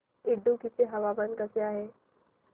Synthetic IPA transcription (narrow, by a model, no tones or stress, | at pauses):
ɪɖːũkit̪eɦɐʋabənkəseaːɦe